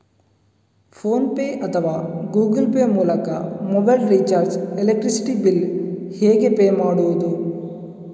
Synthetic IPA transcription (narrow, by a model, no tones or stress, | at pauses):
fʰoːnpeːʔɐt̪ʰɐʋaːɡuːɡɐlpeːmuːlɐkɐmobɐjlɾit͡ʃaːɾd͡ʒelek̚ʈɾisi̥ʈibilheːɡepeːmaːɽuʋɐd̪u